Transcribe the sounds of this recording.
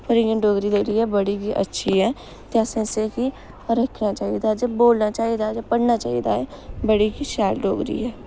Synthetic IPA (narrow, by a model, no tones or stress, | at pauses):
pəɾɪjə̃ɖoːɡɾiːd̪eɾiːɦɛːbəɽiːkiːʔə̰tːʃʰiɦɛː | t̪eəsẽseki | ɾəkʰnaːt͡ʃaːid̪aːɛd͡ʒaːboːlnaːt͡ʃaːid̪aːd͡ʒaːpəɽnaːt͡ʃaːid̪a̰ːɦɛːbəɽiːkiːʃɛːlɖoːɡɾḭːɦɛː